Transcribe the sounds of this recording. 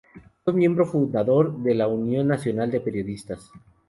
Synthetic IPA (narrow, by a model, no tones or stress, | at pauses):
ozmjẽ̞mbɾo̞fund̪aðo̞ɾðe̞launjo̞nːasjo̞nald̪e̞pe̞ɾjo̞ðist̪as